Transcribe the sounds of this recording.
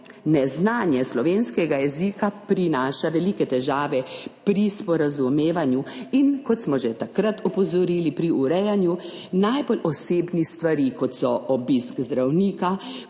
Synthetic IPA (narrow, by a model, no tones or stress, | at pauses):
nɛznaːnjɛslɔʋeːnskɛɡajɛzikapɾinaːʃaʋɛliːkɛt̪ɛʒaːʋɛpɾispɔɾazumeːʋanjuinkɔt̪smɔʒɛt̪akɾat̪ɔpɔzɔɾiːlipɾiuɾɛjanjunajbolʔɔseːbnist̪ʋaɾikɔt̪sɔɔbiskzd̪ɾawniːka